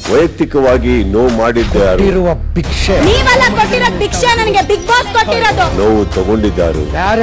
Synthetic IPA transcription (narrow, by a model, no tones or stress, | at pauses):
ʋɐjɐk̚t̪ikɐʋaːɡinoːwmaːɽid̪ːaːɾuɾʋɐbʱikʂeniːʋɐlːɐkoʈːiɾoːd̪̚bikʂenɐnɐɡebik̚baːskoʈːiɾod̪unoːʋut̪ɐɡoɳɖid̪ːa̰ːɾṵ